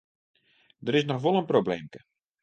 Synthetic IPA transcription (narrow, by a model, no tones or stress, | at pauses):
dəɾɪsnɔxʋolˠənprobleːmkə